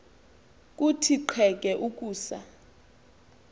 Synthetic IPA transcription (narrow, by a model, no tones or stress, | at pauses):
k̬ʼutʰiǃʰwɛk̬ʼɛʔuk̬ʼuːsa̰